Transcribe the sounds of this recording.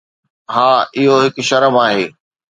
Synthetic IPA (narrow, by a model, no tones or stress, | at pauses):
ɦãːɪɦoɦɪk̆ʃɐɾəmaːɦeː